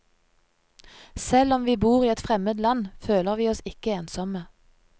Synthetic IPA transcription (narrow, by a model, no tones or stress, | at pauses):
sɛlɔmʋiːbuːʁiːɛt̪fʁɛməd̪lɑnføːləʁʋiːɔsɪkəeːnsɔmə